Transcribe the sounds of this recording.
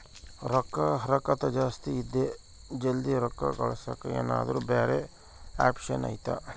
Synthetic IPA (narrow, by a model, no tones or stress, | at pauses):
ɾɐkːɐɦɐɾɐkɐt̪ɐd͡ʒaːst̪iːd̪ːe | d͡ʒɐld̪iɾɐkːɐ̰kɐɭɐsɐkːɐḛːna̰ːd̪ɐɾubeːɾe | aːpʂɐnɐ̰jt̪a̰